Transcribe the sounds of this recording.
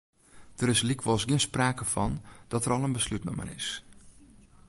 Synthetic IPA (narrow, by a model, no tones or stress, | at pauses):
d̥əɾɪslikʰʋɔlˠsɡiənspraːkəvɔnd̥ɔtərɔlˠənbəslytnɔ̰mə̰nɪ̰s